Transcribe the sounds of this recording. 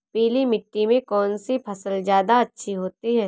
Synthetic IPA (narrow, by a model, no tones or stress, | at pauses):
piːlimɪʈːimẽkɔːnsipʰɐsəlzjaːd̪aɐtːʃʰiɦoːt̪iɦɛː